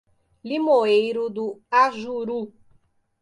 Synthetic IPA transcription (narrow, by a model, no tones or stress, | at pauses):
limoejɾʊd̪ʊaʒuɾu